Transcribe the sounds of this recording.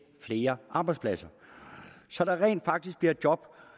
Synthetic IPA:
fle̝ːɐʔɑ̈ːb̥ɑɪdspʰlæsɐ | sɒ̽ɾ̥ɑ̈ʁɛ̰ːnd̥fɑ̈ɡ̥̚d̥isɡ̥̚b̥liɐd̥̚jɒ̽b̥

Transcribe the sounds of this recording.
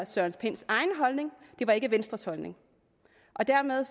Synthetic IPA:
sɶɐnspʰe̝n̰sɑ̈ɪnəɦɒ̽lne̝ŋd̥e̝ʋɑ̈e̝ɡ̥əʋensd̥ʁɐshɒ̽lne̝ŋ | ʔɒ̽d̥æɐ̰meðˠ

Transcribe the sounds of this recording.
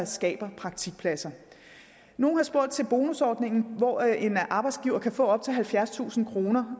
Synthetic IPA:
sɡ̥ɛ̰ːb̥ɐpʰʁɑ̈ɡ̥̚t͡sʰiɡ̥̚pʰlæsɐ | no̝ːnhɑ̈sb̥o̝ɐ̰d̥̚t͡sʰe̝lb̥o̝ːnusɒːd̥ne̝ŋn̩ʋɒːʔe̝nʔɑ̈ːb̥ɑ̈ɪd̥sɡ̥iʊɐkʰæfɔ̰̽ɒ̽b̥̚t͡sʰe̝lɦælfjæɐst͡sʰṵːsn̩kʰʁo̝ːnɐ

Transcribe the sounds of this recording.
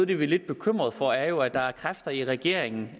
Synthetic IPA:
ð̩ˠd̥eʋile̝d̥̚b̥e̝kʰøm̰ʁɐðˠfɒæɐjo̝æd̥ɑ̈æɐkʰʁafd̥ɐiʁɛɡ̥e̝ɐ̰eŋn̩

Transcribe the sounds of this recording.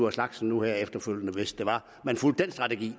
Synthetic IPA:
ɐslɑ̈ɡ̥sn̩nuheɐ̰efd̥ɐføl̰jənəʋe̝s̚d̥e̝ʋɑ̈ | mænful̰d̥̚ensd̥ʁɑ̈t͡sʰeɡ̥ḭː

